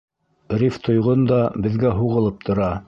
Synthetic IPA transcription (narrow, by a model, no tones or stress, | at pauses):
rʲift̪ʰŏjʁond̪ɑbɘ̆ðɡæɦuʁɤ̆lˠɤp̚t̪ʰŏɾɑ